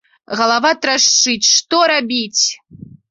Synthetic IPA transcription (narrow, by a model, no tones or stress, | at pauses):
ɣɐlˠavat̪ɾaʂt͡ʂɨt͡sʲʂt̪ɔɾabʲit͡sʲ